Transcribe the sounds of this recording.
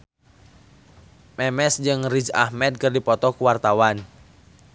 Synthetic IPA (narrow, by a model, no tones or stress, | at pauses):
mɛmɛsd͡ʒɨŋrid͡ʒahmɛd̪̚kɨrdipɔt̪ɔkuwart̪awan